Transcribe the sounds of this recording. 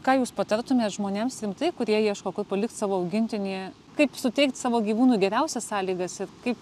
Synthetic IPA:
kɑːjuːspɐt̪ɐɾt̪ʊmʲeːsʒmoːnʲeːmsɾʲɪmt̪ɐɪkʊɾʲiɛjiɛʃkoːkʊrpɐlʲɪkt̪sɑːʋoːɐʊɡʲɪnʲt̪ʲɪnʲiɛ | kɐɪpsʊt̪ʲɛɪk̚t̪sɑːʋoːɡʲiːʋuːnuːɡʲɛɾʲɛʊsʲɛssɑːlʲiːɡɐsɪrkɐɪp

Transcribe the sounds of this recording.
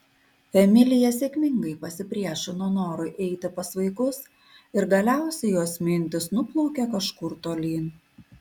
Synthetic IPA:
fʲɛmʲɪlʲɪjɛsʲeːkʲmʲɪŋɡɐɪpɐsʲɪpʲɾʲiɛʃʲɪnonoːɾʊɪʔɛɪt̪ʲɪpɐsʋɐɪkʊs | ɪɾɡɐlʲæˑʊsʲɛɪjoːsmʲɪnʲt̪ʲɪsnʊplˠɔʊkʲɛkɐʃkʊɾt̪oːlʲiːn

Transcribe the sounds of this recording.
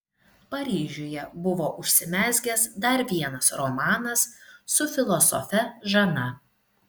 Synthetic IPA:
pɐɾʲiːʒʲoːjɛbʊʋoːʔʊʃʲsʲɪmʲæːzʲɡʲɛsd̪ɐɾʋʲiɛnɐsɾɔmɑːnɐsːʊfʲɪlˠɔsɔ̰fʲɛʒɐnɐ

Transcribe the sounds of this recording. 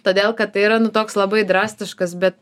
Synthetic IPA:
t̪oːd̪ʲeːlˠkɐt̪̚t̪ɐɪiɾɐnʊt̪oːkslˠɐbɐɪd̪ɾɑːsʲt̪ʲɪʃkɐsbʲɛt̪̚

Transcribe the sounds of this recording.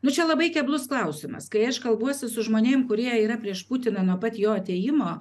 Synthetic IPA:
nʊt͡ʃʲɛlˠɐbɐɪkʲɛblˠʊsklˠɐʊsʲɪmɐ̰skɐɪɐʃkɐlˠbuɔsʲɪsʊʒmoːnʲeːmkʊɾʲiɛiːɾɐpʲɾʲiɛʃpʊt̪ʲɪnɐnuɔpɐt̪ʲjoːɐt̪ʲeːjɪmoː

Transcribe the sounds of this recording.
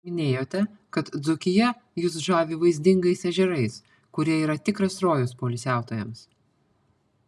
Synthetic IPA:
mʲɪnʲeːjoːt̪ʲɛkɐt̪d̪zʊkʲɪjɛ | jʊsʒɑːʋʲiːʋɐɪzʲd̪ʲɪŋɡɐɪsɛʒʲɛɾɐɪs | kʊɾʲiɛiːɾɐt̪ʲɪkɾɐsɾoːjoːspoːlʲɪsʲæˑʊt̪oːjɛms

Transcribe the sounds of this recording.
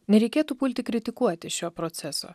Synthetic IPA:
nʲɛɾʲɛɪkʲeːt̪uːpʊlʲt̪ʲɪkɾʲɪt̪ʲɪkuɔt̪ʲɪʃʲoːpɾot̪sʲɛso̰ː

